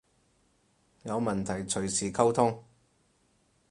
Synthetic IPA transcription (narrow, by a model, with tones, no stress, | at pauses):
jɐ˨˧wmɐ˨nt̪ʰɐ˨˩jt͡sʰɵ˨˩ɥsiː˨kʰɐ˥wt̪ʰʊ˥ŋ